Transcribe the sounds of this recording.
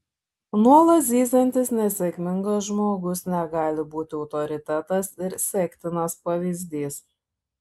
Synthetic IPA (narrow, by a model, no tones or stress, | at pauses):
nuɔlˠɐt̪ʲiːsɐnʲt̪ʲɪsnʲɛsʲɛkʲmʲɪŋɡɐsʒmoːɡʊsnʲɛɡɑːlʲɪbuːt̪ʲɪɔʊt̪ɔɾʲɪt̪ʲæt̪ɐsɪɾsʲɛkʲt̪ʲɪnɐspɐʋʲiːzʲd̪ʲiːs